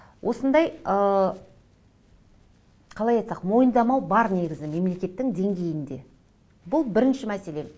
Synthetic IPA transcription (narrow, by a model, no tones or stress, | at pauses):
wʔo̞sənd̪ɑjə | qʰɑlˠɑjɑjt̪sɑqmo̞jənd̪ɑmɑwbɑɾne̞ɡʲɪzɪme̞mle̞kʲe̞t̪ːɪŋd̪e̞ŋɡʲe̞jɪnd̪e̞̰ | bʊlˠbɪɾɪnʃɪmæse̞le̞